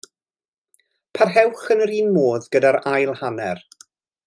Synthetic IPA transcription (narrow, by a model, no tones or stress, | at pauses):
pʰarɦɛwχənəɾiːnmoːðɡədaɾajlˠhanɛr